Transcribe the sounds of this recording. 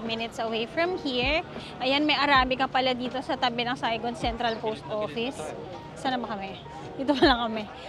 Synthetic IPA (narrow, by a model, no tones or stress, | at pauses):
mɪnɪt̪sɐwejfɹɐmhiɹʔɐjanmɐjʔɐɾaːmɪkɐpɐlɐd̪iːt̪o̞sɐt̪ɐbɛnɐŋsajɡod̪sɛnt̪ɾɐlpowst̪ʔoːfɪs | sanɐbɐkɐmɛ | ɪt̪opɐlɐŋkɐmɛ